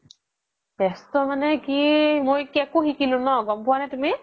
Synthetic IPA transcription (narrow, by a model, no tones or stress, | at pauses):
b̥ɛstɔmanɛkimojkiɛkʊxikilʊ̃nɔɡɔmpʊwanɛtumi